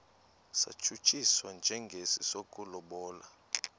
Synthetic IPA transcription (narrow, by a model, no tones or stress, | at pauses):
sa̰t͡ʃʰut͡ʃʼiswand͡ʒʱɛŋɡʱesisokʼulɔɓɔːla